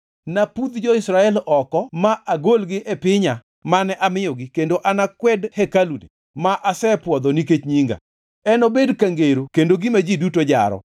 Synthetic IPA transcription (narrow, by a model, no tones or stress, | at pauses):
napud̪d͡ʒɔɪsɾaɛlɔkɔmaʔaɡolɡɪʔɛpɪɲa | manɛʔamɪjɔɡɪkendoʔanakwɛdhɛkalunḭ | maʔasɛpwɔd̪ɔniket͡ʃɲiŋɡa̰ | ɛnobedkaŋɡeɾokendoɡɪmad͡ʒidutod͡ʒa̰ɾɔ̰